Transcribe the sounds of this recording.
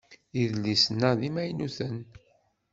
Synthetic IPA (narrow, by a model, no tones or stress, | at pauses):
iðlːisənːæðimæjnuθən